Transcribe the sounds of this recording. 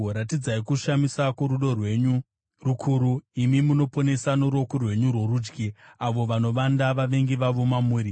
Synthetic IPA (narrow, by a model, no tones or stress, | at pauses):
ɾatid͡zaikuʃamisakwoɾuɗo̞rwe̞ɲu | rukʰuːɾuimimuno̞po̞ne̞sanoɾo̞korwe̞ɲurwo̞ɾuːd͡ʒɡiaʋo̞ʋano̞ʋandaʋaʋe̞ŋɡiʋaʋo̞mamuːɾi